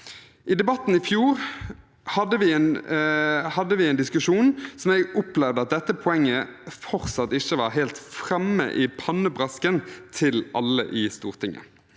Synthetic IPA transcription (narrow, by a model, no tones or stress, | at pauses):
ʔɪd̪ɛbɑt̪ːn̩ɪfjuːʁ | hɑd̪ːəʋɪɛn | hɑd̪ːəʋɪɛɪnd̪ɪskʉʂuːnsɔmɛɡɔplɛʋd̪əɑt̪̚d̪ɛt̪ːəpʰɔɛŋːəfɔʁsɑt̪ːɪçːəʋɑʁɦɛːlt̪fʁɛmːə̰ʔɪpʰɑnːəbʁɑskənt̪ʰɪlʔɑlːə̰ʔɪst̪uːʁt̪ʰɪŋːə̰